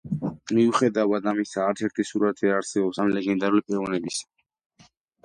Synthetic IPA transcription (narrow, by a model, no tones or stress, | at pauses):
miuχɛd̪avad̪amisaːɾt̪sʰɛɾt̪ʰisuɾat̪ʰvɛɾaɾsɛbɔpsamlɛɡɛnd̪aɾulipʼɛɾɔnɛbisḁ